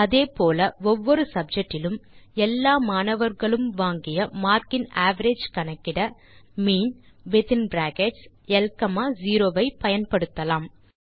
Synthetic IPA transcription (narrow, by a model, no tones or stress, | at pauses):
ɐðeːpoːlɐɔʋːɔɾɯsɐb̚d͡ʒɐk̚ʈːɪlɯmɛlːaːmaːnɐʋɐɾɣɐɭɯmʋaːŋɡɪjɐmaːɾkɪnaːʋɐɾeːd͡ʒkɐnɐkːɪɽɐ | miːn | ʋɪt̪ɪnbɾaːkeːʈs | ɛlkɐmaːziːɾoːʋɐɪpɐjɐnpɐɽɯt̪ːɐlaːm